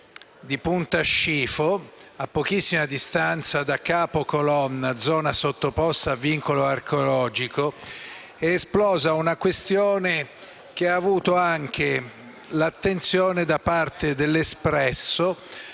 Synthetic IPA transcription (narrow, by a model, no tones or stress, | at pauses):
d̪ipunt̪aʃːiːfoapːok̟isːimad̪ist̪ant̪sad̪akːaːpokolɔnːad̪zɔːnasot̪ːopɔst̪aːvːiŋkoloarkeolɔːd͡ʒiko | eːsplɔːzaunakwest̪joːne | k̟eaːvuːt̪oaŋk̟e | lat̪ːent̪sjoːned̪apːart̪ed̪elːespɾɛsːo